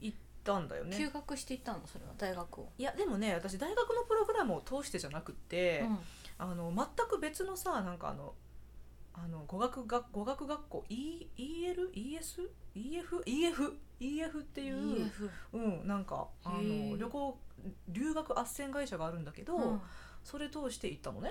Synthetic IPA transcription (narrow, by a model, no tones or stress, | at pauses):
it̪ːãnd̪a̰jo̰nejɨːɡakɯ̟ɕi̥t̪e̞it̪ːãnoso̞ɾe̞βa̰d̪aiɡakɯo̰jad̪e̞mo̞ne̞βat̪aɕ̬id̪aiɡakɯ̟no̞pɯ̟ɾo̞ɡɯ̟ɾamɯ̟ot̪ʰo̞ːɕi̥t̪e̞ʑanakɯ̟t̪ːe̞ | ano̞mat̪ːakɯ̟be̞t͡sɨno̞sanãŋka̰ːno̞̰ | ano̞ɡo̞ɡakɯ̟ɡaɡo̞ɡakɯ̟ɡakːo̞̰ːʔiiːeɾɯ̟ʔiːesɨiːe̞ɸɯ̟ʔiːeɸɯ̟iːe̞ɸɯ̟t̪ːe̞jɯ̟ː | ɯ̟̃ɴnãŋka̰ano̞ɾʲo̞ko̞ːɾʲɨːɡakɯ̟ʔasːẽ̞ŋɡaiɕaɡaːɾɯ̟̃nd̪ake̞d̪o̞so̞ɾe̞t̪o̞ːɕi̥t̪eʔit̪ːano̞̰ne